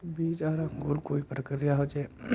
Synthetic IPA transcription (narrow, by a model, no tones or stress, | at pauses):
biːd͡ʒaːɾãŋɡʊɾkoːipɾəkɾijaɦod͡ʒe